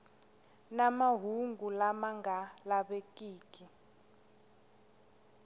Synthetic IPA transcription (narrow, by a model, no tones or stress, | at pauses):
namaɦuŋɡulamaŋɡalaɓekʼiːkʼi